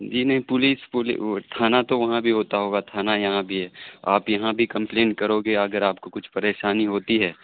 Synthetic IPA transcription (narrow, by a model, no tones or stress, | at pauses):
d͡ʒiːnɐɦĩpʊliːspʊlḭt̪ʰaːnat̪oʋɐɦãbʱiɦoːt̪aɦoːɡat̪ʰaːnajɐɦãbʱiɦɛːaːpjɐɦãbʱikɐ̃mplẽːɳʈ̚kɐɾoːɡeɐɡəɾaːpkokʊt͡ʃʰpɐɾeːʃaːniɦoːt̪iɦɛː